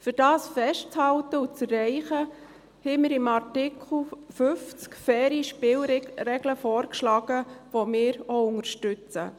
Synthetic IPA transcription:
fyɾd̥ɑːsfɛʃtt͡shɑltəut͡sɛrːɛɪχə | hɛmɪɾɪmɑrtɪkʰl̩fʏft͡skfɛːɾjiʃpɪːlɾɛɡ̥ləfɔːɾkʃlɑːɡ̥əʋomɪːɾoʊŋəɾʃtʉt͡sə̰

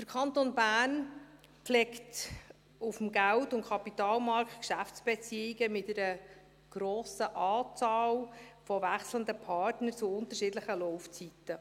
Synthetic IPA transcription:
d̥əɾkʰɑnt̪onbæːn | klɛkt | ufəm̩ɡæltʊnt̚kʰɑpitɑːlmɑɾktkʃæft͡sb̥ɛt͡siːiɡəmɪtɛɾə | ɡ̥ɾoːsəʔɑːt͡sɑːlfɔvæχsləndəpʰɑɾtnəɾt͡suʊnt̪əɾʃidləχəlɔʊft͡sitːə

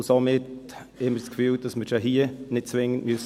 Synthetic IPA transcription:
somɪt | ɪmːəskfyːld̥ɑsməɾʃaɦiənɪt̚t͡sʋɪŋːəntmyəs

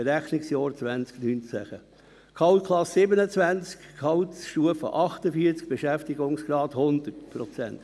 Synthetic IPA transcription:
ɾæχnɪksjɔːɾt͡sʋænt͡sknyːnt͡sæχə | kʰɑwtkʰlɑsɪbənət͡svænt͡skkʰɑwtʃuəfə̰ʔɑχtəfiəɾt͡sk̚b̥eʃæftiɡʊŋsɡ̥ɾɑːthʊnd̪ətpʰɾɔt͡sɛ̰nt

